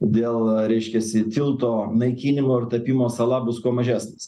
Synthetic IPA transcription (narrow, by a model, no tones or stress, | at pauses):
d̪ʲeːlˠɾʲɛɪʃʲkʲɛsʲɪt̪ʲɪlˠt̪oːnɐɪkʲiːnʲɪmoːɪrt̪ɐpʲiːmoːsɐlˠɑːbʊskuɔmɐʒʲæːsʲnʲɐs